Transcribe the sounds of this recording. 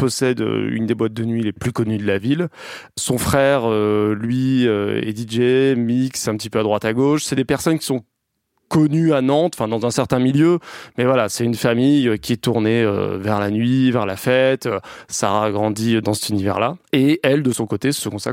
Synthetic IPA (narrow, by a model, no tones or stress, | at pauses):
pɔsɛd̪ø̰y̰nd̪ebwat̪̚d̪ənɥileplykɔnyd̪əlavil | sɔ̃fχɛʁølɥiøḛd̪iʒemiksɛ̃pət̪i̥pøad̪ʁwat̪aɡoʃsɛd̪epɛʁsɔnkʲi̥sɔ̃ | kɔnyanɑ̃t̪ɑ̃fɛ̃d̪ɑ̃zɛ̃sɛʁt̪ɛ̃miljømɛvwalasɛt̪ynfamijøkʲiɛt̪uʁneø̰vɛʁlanɥivɛʁlafɛt̪øsa̰ʁaɡʁɑ̃d̪iød̪ɑ̃sɛt̪ynivɛ̰ʁlaeɛld̪əsɔ̃kot̪esəkɔ̃st̪a̰